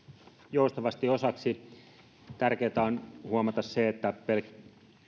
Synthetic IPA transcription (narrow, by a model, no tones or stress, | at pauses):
joust̪ɑʋɑst̪iosɑksi | t̪ærkeːt̪æonhuomɑt̪ɑsseet̪ːæpelk